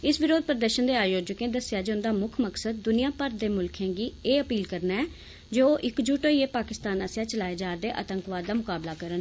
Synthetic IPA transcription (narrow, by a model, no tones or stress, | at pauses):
ɪsʋɪɾoːd̪̚pɾəd̪əɾʃənd̪eːaːjoːd͡ʒəkẽːd̪əsɪjaːd͡ʒeːʊnd̪aːmʊkʰməksəd̪̚ːʊnijãːpəɾd̪eːmʊlkʰẽːɡiːeːəpiːlkəɾnaɛː | d͡ʒoːʔɪkd͡ʒuːʈoːieːpaːkɪst̪aːnəsjaːt͡ʃəlaːeːd͡ʒaːɾd̪eːʔə̰t̪əŋkʋaːd̪ːaːmʊkaːblaːkəɾən